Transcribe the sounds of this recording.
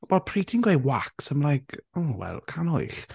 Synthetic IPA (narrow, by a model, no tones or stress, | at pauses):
wɛlˠpʰritʰɪŋɡwejwaksəmlajkʰowɛ̰lˠkʰanɔ̰ɨɬ